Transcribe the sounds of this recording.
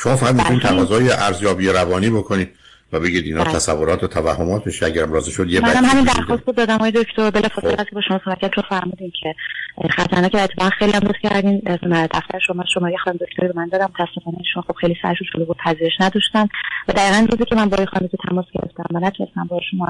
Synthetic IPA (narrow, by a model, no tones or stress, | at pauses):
ʃomɒːfæʁæd̪mtunimt̪ʰævɒzɒːjeʔæɾzjɒːbieɾævɒːniːbokʰoniːd̪̥ | væbe̞ɡiːd̪iːnɒːt̪ʰæsævːoɾɒːt̪ʰot̪ʰævæhːomɒːt̪̚beʃiæɡæɾæmɾɒːzeʃod̪jemænæmhæmind̪æɾxɔst̪̚bud̪̚ɒːd̪æmɒːjed̪okʰt̪ʰoɾbelɒfɒselæskʰʲebɒːʃomɒːsobæt̪kʰːænt͡ʃʰonfæɾmuːd̪incʰe̞χæt̪ʰæɾnɒːcʰeæɾet̪ʰːefɒːʁænxejliːjæmd̪oscʰæɾd̪ind̪æft̪æ̰ɾeʃomɔʃomɒɾjexd̪æmd̪okʰt̪ʰoɾibemænd̪ɒːd̪æmːot̪ʰæsːefɒːneiːʃunxob̥xejlisæ̰ɾʃund͡ʒolubuːd̪̥̚pʰæziːɾe̞ʃnæd̪ɒʃt̪ænvæd̪æiːɣænɾuziːcʲʰemænbɒːjexɑ̰nd̪ezit̪ʰæmɒsɟ̥e̞ɾḛft̪æmvænæt̪ʰunest̪æmbɒhʃomɒ